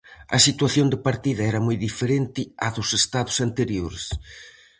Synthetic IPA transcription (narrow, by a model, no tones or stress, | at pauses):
ɐ̰sit̪waθjond̪ɪpaɾt̪iðɐɛɾɐmojðifeɾent̪ɪɐðʊsest̪aðʊsant̪eɾjoɾes